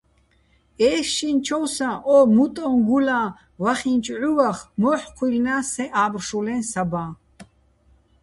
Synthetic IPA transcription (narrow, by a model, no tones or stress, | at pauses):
ɛːʃint͡ʃʰɔwsãʔɔmut̪ʼɔnɡulã | vaχint͡ʃʼʕuwaχmɔħqʷʰwilnasɛʔaːbrʃulɛnsabãː